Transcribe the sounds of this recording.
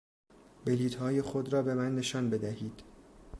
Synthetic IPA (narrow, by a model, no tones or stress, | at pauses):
beliːt̪hɒːje̞xod̪ɾɒːbe̞mænːe̞ʃɒːnbe̞d̪æhiːd̪̥